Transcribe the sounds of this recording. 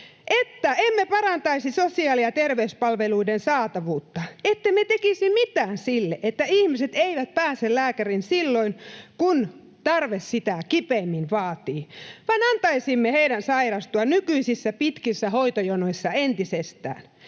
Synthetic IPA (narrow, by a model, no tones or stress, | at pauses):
ʔet̪ːæemːepɑrɑnt̪ɑisisosiɑːliɑt̪erʋeyspɑlʋeluidensɑːt̪ɑʋuːt̪ːɑet̪ːemet̪ekisimmit̪æːnsilːeʔet̪ːæihmiset̪eiʋæt̪̚pæːsellæːkærinsilːoinkun | t̪ɑrʋessit̪ækipeːmːinʋɑːt̪iːʋɑinɑnt̪ɑisimːeheiɾænsɑirɑst̪uɑnykyisisːæpit̪kisːæhoit̪ojonoisːɑent̪isest̪æ̰ːn